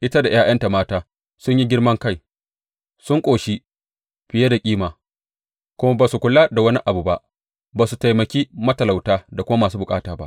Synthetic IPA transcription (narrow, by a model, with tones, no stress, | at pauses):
ʔɪ˦ta˦da˨j̰aː˦jʔɐ˦nta˨maː˦taː˦ | sʊ˦ɲji˦ɡʲɪ˦rmɐ˦ŋka˦˨j | sʊ˦ŋkʷʼoː˨ʃi˦ | ɸɪ˨je˦da˨kʲʼiː˦maː˨ | kʷʊ˦ma˦baː˨su˨kʷʊ˦la˦da˨wɐ˦ni˦ʔa˨bu˨ba˦ʔ | baː˨su˨ta˨jmɐ˨kʲiː˦mɐ˦tɐ˨la˨wtaː˦da˨kʷʊ˦ma˦maː˨suː˦bʊ˨kʼaː˦taː˨ba̰˦ʔ